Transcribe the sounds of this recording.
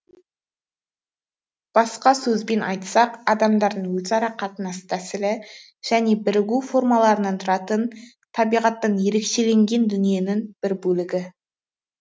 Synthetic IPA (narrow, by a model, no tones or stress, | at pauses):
b̥ɑsqɑsɵzbe̞nʔɑjt̪sɑqɑd̪ɑmd̪ɑɾd̪əɴwɵzɑɾɑqʰɑt̪ənɑst̪ʰæsɪlɪ | ʒ̥æne̞bɪɾɪɡʲufo̞rmɑlˠɑɾənɑnt̪ʰʊɾɑt̪ən | t̪ʰɑbijʁɑt̪ːɑnje̞ɾe̞kʃe̞le̞ŋɡʲe̞nd̪ʏnije̞nɪŋb̥ɪɾbɵlɪɡʲɪ